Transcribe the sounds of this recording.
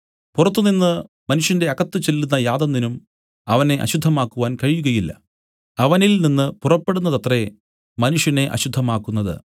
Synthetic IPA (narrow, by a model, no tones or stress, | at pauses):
purɐt̪ːuninːɨ | mɐnuʂjɐnde̞ɐɣɐt̪ːɨt͡ɕe̞lːunːɐjaːd̪ɐnːinum | ɐʋɐne̞ʔɐ̰ɕud̪ʱːɐmaːkːuʋaːnkɐɻijuɣɐjilːɐ̰ | ɐʋɐnilninːɨpurɐpːeɽunːɐðɐt̪re̞ | mɐnuʂjɐne̞ʔɐ̰ɕud̪ʱːɐmaːkːunːɐðɨ̰